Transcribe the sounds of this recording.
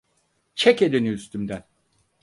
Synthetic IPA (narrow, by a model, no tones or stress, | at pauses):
t͡ʃʰɛced̪enyyst̪ʰymd̪æn